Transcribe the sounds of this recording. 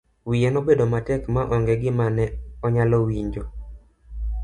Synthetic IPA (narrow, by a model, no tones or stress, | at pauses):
wijɛnɔbedomatɛkmaʔɔŋɡɛɡɪmanɛɔɲalɔwiɲd͡ʒo